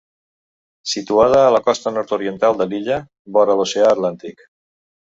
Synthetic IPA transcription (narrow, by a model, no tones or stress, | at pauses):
sit̪uað̞əːləkɔst̪ənɔɾt̪oɾiənt̪alˠd̪əliʎə | βɔɾəloseaːt̪lant̪ik